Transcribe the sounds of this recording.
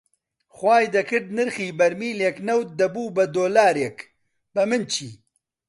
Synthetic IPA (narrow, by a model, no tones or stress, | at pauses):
xwaːjd̪ɐkɨɖ̚nɨɾxiːbɐɾmiːleːknɐwt̪̚d̪ɐbuːbɐd̪oːlaːɾek | b̥ɐmɨnt͡ʃʰḭː